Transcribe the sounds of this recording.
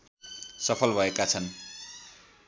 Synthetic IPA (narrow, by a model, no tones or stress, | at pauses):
sʌpʰʌlbʱʌekat͡sʰʌn